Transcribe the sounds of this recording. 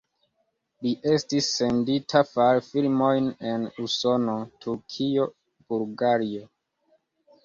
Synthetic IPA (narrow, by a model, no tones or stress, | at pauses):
liʔe̞stisːe̞nditʰafalfilmo̞jne̞nuso̞no̞tʰuɾkʰio̞ | buɾɡaɾio